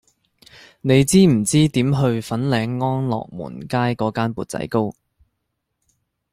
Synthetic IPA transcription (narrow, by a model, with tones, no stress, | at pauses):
ne˨˧jt͡siː˥m̩˨˩t͡siː˥t̪iː˨˥mɦɵ˧ɥfɐ˨˥nlɛː˨˧ŋːɔː˥nlɔ̰ː˨k̚mṵː˨˩nkaː˥jkɔː˨˥kaː˥npuː˨˧t̚t͡sɐ̰˨˥jko˥w